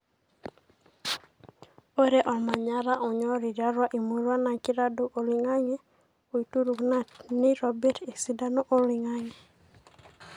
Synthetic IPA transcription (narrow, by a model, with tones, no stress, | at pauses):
o˦ɾe˦ʔɔ˨ma˨ɲa˦ɾa˦ʔɔ˨ɲɔ˦ɾi˨d͡ʒa˦ɾwa˦ʔi˨mu˦ɾa˦na˨kɪ˦ɾa˦do˦ʔo˨lɪ˨ŋa˦ŋɛ˦ | o˨i˨tu˦ɾu˨kna˦nɪ˦ɾɔbɛ˦te˨si˦da˦no˦ʔo˦lɪ˨ŋa˦ŋɛ˨